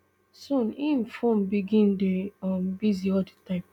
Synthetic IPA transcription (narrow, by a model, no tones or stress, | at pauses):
sũnin̩fɔm̩biɡĩn̩deɔm̩biziɔditãɪ̃m